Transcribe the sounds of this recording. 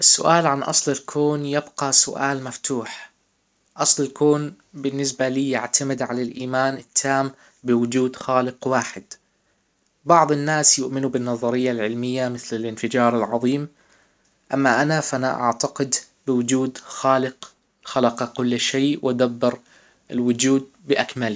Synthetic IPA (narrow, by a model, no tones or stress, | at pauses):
ʔɪsːʊ̰ʔaːlʕanʔɑ̰sˤlɪlkʰoːnjɪbqɑsʊ̰ʔa̰ːlmaft̪ʰuːħ | ʔɑsˤlɪlkoːn | bɪnːɪs̬baliːjaʕt̪ʰamɪd̪ʕalalʔiːmaːnɪt̪ʰːaːm | bɪwʊd͡ʒuːd̪xaːlɪqwaːħɪd̪ | bɑʕðˤɪnːaːsjʊʔmɪnubɪnːɑðˤɑɾɪjːalʕɪlmɪjːamɪθlɪlɪnfɪd͡ʒɑːɾˤɪlʕɑðˤiːm | ʔamːaʔanafaʔanaʔa̰ʕt̪aqɪd̪ | bɪwʊd͡ʒuːd̪xaːlɪq | xalɑqɑkʊlːʃeːʔwʔad̪abːɪɾ | ɪlwʊd͡ʒuːd̪̚bɪʔakmali